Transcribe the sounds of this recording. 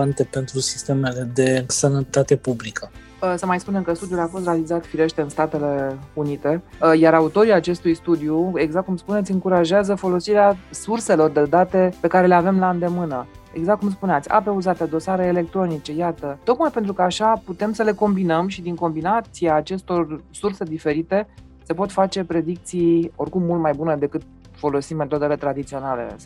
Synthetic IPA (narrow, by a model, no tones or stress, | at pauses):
ant̪e̞pe̞nt̪ɾusi̥st̪e̞mele̞d̪e̞sənət̪at̪e̞publikʰə | səmajspune̞mkəst̪ud̪julafo̞st̪realizat̪fiɾe̞ʃt̪e̞ɨnst̪at̪e̞le̞unit̪e̞jaɾaut̪o̞ɾiat͡ʃe̞st̪ujst̪ud̪iue̞ɡzakt̪̚kumspunet̪sʲɨŋkuɾaʒeazəfo̞lo̞siɾeasurse̞lo̞rd̪e̞d̪at̪e̞pe̞kaɾe̞le̞ave̞mlaɨnd̪e̞mɨnə | e̞̰ɡzakt̪̚kums̬puneat̪sʲa̰pe̞uzat̪ed̪o̞saɾeːle̞k̚t̪ɾo̞nit͡ʃe̞jat̪ət̪o̞kmajpent̪ɾukəaʃaput̪e̞msəle̞ko̞mbinəmʃid̪iŋko̞mbinat̪siaːt͡ʃe̞st̪o̞rsurse̞d̪ife̞ɾit̪e̞ | se̞po̞t̪fat͡ʃe̞pɾe̞d̪ik̚t̪sijo̞rkumːult̪̚majbuned̪e̞kɨt̪̚ | fo̞lo̞sime̞t̪o̞d̪e̞le̞t̪ɾad̪it̪sio̞nale̞̰